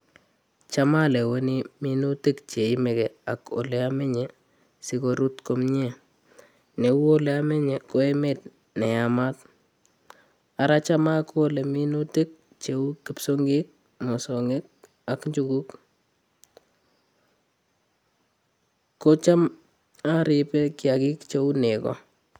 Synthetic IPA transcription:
t͡ʃa˦ma˦le˨we˦ni˦mi˦nu˦tɪ˦kt͡ʃe˨i˦me˨ke˨a˨ko̰˨le˦a˦me˦ɲe˨ | si˦ko˦ɾu˦tko˦mɲe˦˨ | ne˨wu˦o˦le˦a˦me˦ɲe˨ko˦e˦me˦t̚ | ne˨jama˦t̚ | a˨ɾa˦t͡ʃa˦mako˦le˨mi˦nu˦te˦k̚ | t͡ʃeu˦kːi˦psoŋɡik̚ | mo˨sɔŋe˦k̚ | a˨kɲd͡ʒukuk | kːo˦t͡ʃa˦m | a˦ɾipe˦kjaki˦kt͡ʃe˦unekɔ̰

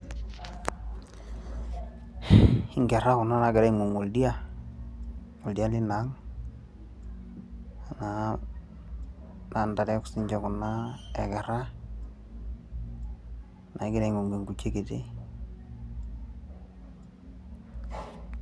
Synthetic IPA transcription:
ɪ˦ŋɡɛ˨ɾa˦kʊ˨nːa˦na˨˦ɡɛ˨ɾɛ˦ŋu˨ŋwo˨ldi˦a˦ | ŋo˨ldi˦a˦lɪ˦na˨˦ŋ˨ | na˨ | na˨nda˨ɾɛ˦ksi˦ɲd͡ʒɔ˨kʊ˨nːa˦ɛ˨kɛ˨ɾa˦ | nʔa˨i˦ɡɪ˦ɾe˨ŋu˨ŋɡe˨ŋɡu˨t͡ʃe˦ke˨te˦

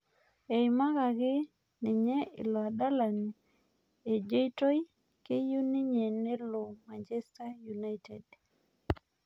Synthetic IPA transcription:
e˨jma˦ɡa˨ɡɪ˦ | nɪ˨ɲɛ˦ɪ̰˨lɔ˨a˨da˦la˨n | e˨d͡ʒe˦i˦to˦j | ke˦ju˦ni˦ɲe˨ne˦lo˨ma˨ɲd͡ʒɛ˦sta˦ju˨na˦jtḛ˨d

